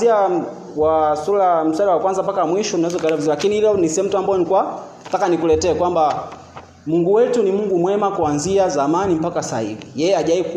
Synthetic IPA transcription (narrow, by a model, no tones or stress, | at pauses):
ia | wasulam̩swaliwakwanzampakamwiʃɔninazɔkalavuzialakiniilɔnisiɛm̩tuambɔjɔnikwa | takanikulɛtɛːkwamba | muŋɡuwɛtunimuŋɡumwɛmakuanziazamanim̩pakasa̰hivijɛjɛaʄaik